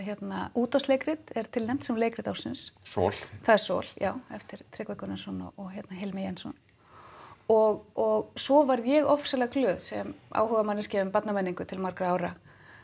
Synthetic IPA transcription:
çjɛt̪nauːt̪ast̪leːjkɾɪt̪ɛɾ̥t̪ʰɪlnɛm̥t̪sɛmleːjkɾɪt̪awsɪnssɔ̰ːlθaðɛɾ̥sɔ̰l̥ja̰ːwɛft̪ɪɾ̥t̪ʰɾɛːkvakʏnasɔnɔ̰ɔɣçjɛt̪naɦɛlmɪjɛnsɔ̰n | ɔɣɔɣsɔvaɾðjɛɣɔfsalaɣklʏːðsɛmʔa̰ːwhœɣamanːɪscɛːʏmpat̪namɛnːiŋkʏt̪ʰɪlmaɾkɾʏaːwɾa

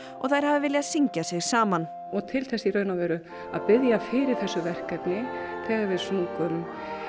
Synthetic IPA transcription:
ɔɣθajɾ̥havðɪvɪljaðsiɲcasɪɣsaːman | ɔɣt̪ʰɪlθɛsːiɾœːɥnavɛːɾʏ | aðpɪðjafɪɾɪɾ̥θɛsːʏvɛr̥kɛpnɪθʰɛːɣaɾvɪðsnukʏm

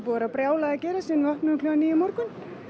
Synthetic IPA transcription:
puːaɾapɾjaːwlaðacɛːɾasɛnɪɔhpnʏklœaniːjɪmɔɾkʏn

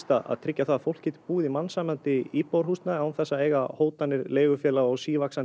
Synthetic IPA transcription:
t̪aða̰ðt̪ʰɾɪcːaθaðfowl̥cʰɛt̪ɪ̥puːɪðimansaːmant̪ɪiːpowɾ̥hust̪naawnθɛsːaeːjɣahoːwt̪anːɪɾleːjɣʏfjɛːlaɔɣsiːvaksa

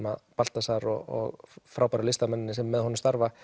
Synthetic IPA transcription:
maðpal̥t̪asaɾɔɔ̰ɣfɾaːwpaɾalɪst̪amɛnːɪnɪsɛmːɛðɦɔnʏɪmst̪aɾva

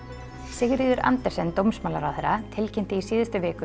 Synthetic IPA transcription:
sɪɣɾiːðʏɾa̰nt̪ɛɾ̥sɛnt̪owmsmaːla̰ɾawθɛɾːat̪ʰɪlcʰɛn̥t̪ɪisiːðɪst̪ʏvɪːkʏ

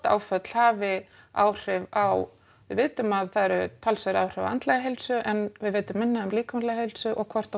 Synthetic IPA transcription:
t̪a̰ːwfœt̪l̥haːvɪ | a̰ːwr̥ɪvaw | vɪ̰ðvɪːt̪ʏmaðθaðɾʏt̪ʰalsaɾawr̥ɪva̰ant̪lɛɣaɦejlsʏʔɛnvɪðvɪːt̪ʏmːɪnːaʏmliːkamnlɛɣhejlsʏʔɔɣkʰvɔr̥t̪a

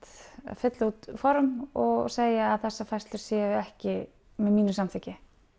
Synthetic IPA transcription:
t̪fɪt̪laut̪fɔɾmɔɣseːjaaðθɛsːafajst̪lʏɾ̥sjɛːvʏɛhcɪ | mɛðmiːnʏmsamt̪ʰɪːcɪ

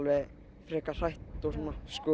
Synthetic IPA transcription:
lvɛ | fɾɛːkar̥ajht̪ɔsɔnaskœ

